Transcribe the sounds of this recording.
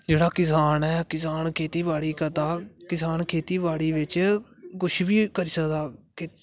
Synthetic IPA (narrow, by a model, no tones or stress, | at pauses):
d͡ʒeːɽaːkɪsaːnɛːkɪsaːnkʰeːt̪iːbaːɽiːkət̪aːkɪsaːnkʰeːt̪iːbaːɽiːʋɪt͡ʃkʊʃʰbiːkəɾiːsəkd̪aːkɪ